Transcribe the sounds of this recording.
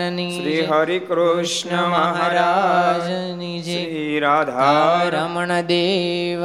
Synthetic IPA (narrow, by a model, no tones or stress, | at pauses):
niʃɾiːɦɐɾikɾuʂɳɐmaɦaɾad͡ʒ | nid͡ʒi | ɾaːd̪ʱaɾamɐɳɐd̪eːʋ